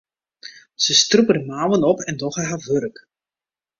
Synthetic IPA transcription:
səstrupədəmaːwənɔpɛndɔχərɦaʋørək

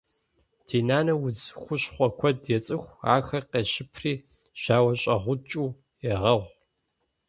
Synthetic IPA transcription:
tʰeːnaːnɐwʊzxʷʊɕχʷɔkʷʰɔdjɛt͡sʼɨxʷa̰ːxɐqeːɕɪpʰriː | ʒ̥aːwɐɕʼɐʁʷʊt͡ʃʼuː | ɛʁɐʁʷ

